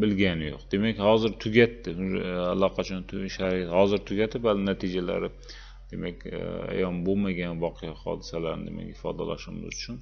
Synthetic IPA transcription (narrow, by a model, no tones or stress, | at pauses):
bɪlɡʲanɪjoqd̪e̞makʲhɒzɪɾt̪ʰʊɡʲat̪ːɪalːɒqʰɑt͡ʃʰɒnt̪ʰʃaɾɒjat̪hɒzɪɾt̪ʰʊɡʲat̪ʰɪpalɪnat̪ʰid͡ʒala̰ɾɪ | d̪e̞makʲa̰jɒnbomaɡʲanvɒqʰɨjahɒ̰d̪ɪsalaɾnɪ̰d̪ḛma̰kʲhɪfɒ̰d̪a̰la̰ʃɪmɪ̰zʊt͡ʃʰʊn